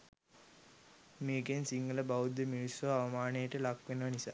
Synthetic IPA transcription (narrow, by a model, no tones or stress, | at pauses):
meːɡensiŋɡələbaʋud̪ːəmiɾisʋaːʋɐmaːnəjəʈəlakʋenəʋənisa̰ː